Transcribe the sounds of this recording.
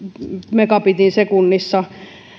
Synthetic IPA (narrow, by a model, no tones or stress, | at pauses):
mekɑpit̪insekunːisːɑ